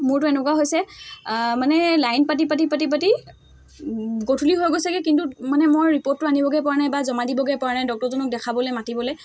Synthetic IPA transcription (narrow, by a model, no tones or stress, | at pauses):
mʊɹtʊɛnɛkwaɦojsɛ | manɛlajnpat̬ipat̬ipat̬ip̬ati | ɡotʰuliɦojɡojsɛkɛkintumanɛmojɹipot̚ːʊanibɔɡɛjpɔɹanajbazɔmadibɔɡɛpɔɹanajdɔk̚tɔɹzɔnɔk̚dɛkʰabɔlojmatibɔlej